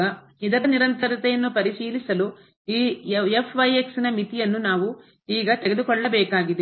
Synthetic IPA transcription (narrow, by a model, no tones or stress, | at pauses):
ɐ | id̪ɐɾɐniɾɐnt̪ɐɾɐt̪ɛjɐnːupɐɾiʃiːlisɐlu | iːefʰʋɐjeksinɐmit̪ijɐnːunaːʋu | iːɡɐt̪eɡed̪ukɔɭːɐbɛːkaːɡid̪e